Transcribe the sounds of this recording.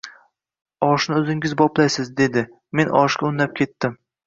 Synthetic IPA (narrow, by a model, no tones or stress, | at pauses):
ɒʃnɪɵzɪŋʲɪzbɒplajsɪzd̪e̞d̪ɪ | me̞nɒ̰ʃɡʲaʊnlap̚kʲʰe̞t̪ːɪm